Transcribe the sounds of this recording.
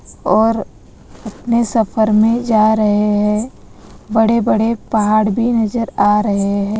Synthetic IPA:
ɔːɾ | ɐpnesɐfʰəɾmẽd͡ʒaːɾɐɦeɦɛ̃ː | bəɽebəɽ̤epɐɦaːɽbʱinɐzəɾaːɾɐɦeɦɛ̃ː

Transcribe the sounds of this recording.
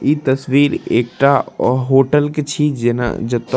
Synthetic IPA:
it̪ɐswiːɾeːk̚ʈaɦoːʈəlket͡ʃʰid͡ʒena̰d͡ʒɐt̪ː

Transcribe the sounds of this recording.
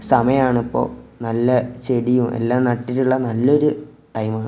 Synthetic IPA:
sɐmɐjɐmaːɳipːo̞̰ːnɐlːɐt͡ɕeɽijumʔe̞̰lːaːmnɐʈːiɾuɭːɐnɐlːo̞ɾu | ʈɐjmaːɳɨ

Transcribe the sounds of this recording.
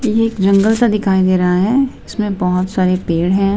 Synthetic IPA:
jeːkd͡ʒɐ̃ŋɡəlt̪ad̪ɪkʰaːid̪eːɾɐɦaɦɛːɪsmẽbɐɦʊt̪saːɾepeːɽɦɛ̃ː

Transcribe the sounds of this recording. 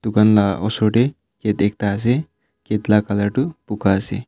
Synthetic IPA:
t̪ukɐnlaʔɔsoʈe | ket̪ek̚t̪aːs̬e | ket̪lakalaʈupukase

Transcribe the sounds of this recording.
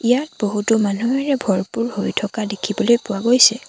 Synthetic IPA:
ijat̚boɦutʊmanuɛɹɛbʱɔɹpuɹhojtʰɔkadekʰibɔlojpʊwaɡojsɛ

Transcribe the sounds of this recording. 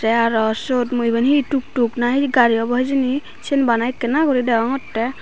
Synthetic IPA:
ɛaɾɔsot̪mujbənɦiʈuk̚ʈuknaɦiɡaɾiɔbɔɦd͡ʒini | t͡ʃʰenbanajkɛnakɔɾid̪ɛɔŋɔtːɛ

